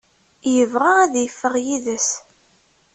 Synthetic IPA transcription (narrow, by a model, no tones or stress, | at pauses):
jəvʁaæðjəfːəʁjiðəs